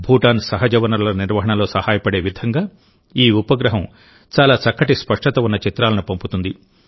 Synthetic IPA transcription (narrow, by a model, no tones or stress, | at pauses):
bʱuːʈaːnsɐɦɐd͡ʒɐʋɐnɐɾulɐniɾʋɐɦɐɳɐlo̞ːsɐhaːjɐpɐɽe̞ːʋid̪ʱɐŋɡaː | iːupɐɡɾɐɦɐm | t͡ʃaːlaːt͡ʃɐkːɐʈispɐʂʈɐt̪ɐunːɐt͡ʃit̪ɾaːlɐnupɐmput̪und̪i